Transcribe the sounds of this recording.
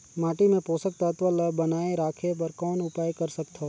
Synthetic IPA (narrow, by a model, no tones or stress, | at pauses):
maːʈimẽpoːsək̚t̪aːt̪ʋələbɐnaːeɾaːkʰep̬ɐɾkɔːnʊpaːjkɐɾsɐkt̪ʰa